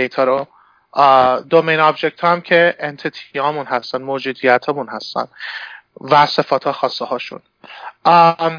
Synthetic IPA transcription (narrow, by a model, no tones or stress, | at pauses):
dejt̪ʰɒːɾo | d̪omejnɒbd͡ʒe̞k̚t̪hɒːæmcʰe̞ent̪ʰit̪ʰiɒːmunɦæst̪ænmod͡ʒuːd̪ijæt̪ʰɒːmunhæst̪æ̰n | væse̞fɒːt̪ʰɒːxɒːsːehɒːʃṵn